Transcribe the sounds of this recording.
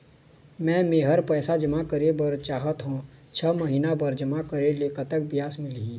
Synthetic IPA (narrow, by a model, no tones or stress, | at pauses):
mɛ̃ːmeːɦəɾpɛːsad͡ʒɐmakəɾebɐɾt͡ʃaːɦət̪ɦõt͡ʃʰəməɦiːnabɐɾd͡ʒɐmakəɾeleːkət̪ək̚bɪjaːsmɪliɦiː